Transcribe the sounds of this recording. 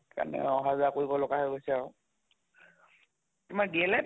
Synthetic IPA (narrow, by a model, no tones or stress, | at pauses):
ka̰nɛ̰ɔɦazakoɹibɔlʊɡaɦojɡojsɛaɹʊ | tʊmaɹɡɛlɛ